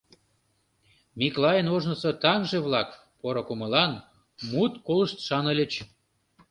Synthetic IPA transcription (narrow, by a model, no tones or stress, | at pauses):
miklɑjənoʒnəsŏt̪ɑŋʒeβlɑk | poɾokumə̆lɑn | mut̪koləʃt̪ʃɑnə̆lʲə̆t͡ɕ